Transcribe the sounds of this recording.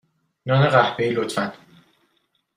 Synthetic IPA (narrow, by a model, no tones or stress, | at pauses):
nɒːneʁæhbeilot̪ʰfæn